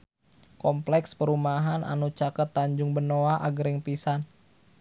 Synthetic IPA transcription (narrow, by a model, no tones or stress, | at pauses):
kɔmplɛkspəɾumaɦanʔa̰nut͡ʃakət̪ːaɲd͡ʒʊŋbənoaʔaɡəɾɪŋpisan